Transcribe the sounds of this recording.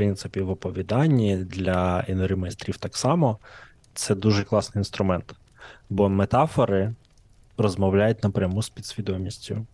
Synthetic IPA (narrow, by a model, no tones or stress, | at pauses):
pɾɪnt̪sɪpʲiʋɔpɔʋʲid̪ɑnʲːid̪lʲɐinɔɾʲimɔist̪ɾʲiwt̪ɑksɑmɔ | t̪sɛd̪uʒɛklˠɑsnɪjinst̪ɾʊmɛnt̪ | bɔmet̪ɑfɔɾɪ | rɔzmɔwlʲajʊt̚ʲnɐpɾʲɐmuspʲid̪sʲʋʲid̪ɔmʲisʲtʲʊ